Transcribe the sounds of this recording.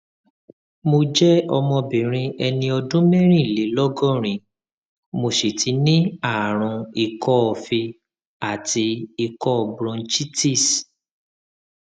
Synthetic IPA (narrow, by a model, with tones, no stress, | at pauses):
mo˧d͡ʒɛ˦ɔ˧mɔ̃˧bĩ˨ɾ̃ĩ˧ɛ˧nĩ˧ɔ˧dũ˦mɛ̃˦ɾ̃ĩ˦˨le˨˦lɔ˦ɡɔ̃˦ɾ̃ĩ˨ | mo˧ʃe˨tʰi˨˦nĩ˦a˦˨ɾ̃ũ˧i˧kɔ˦ɔ˨fi˧ | a˨ti˧i˧kɔ˦ɔ˨bɾɔ̃˧nt͡ʃi˦ti˦˨s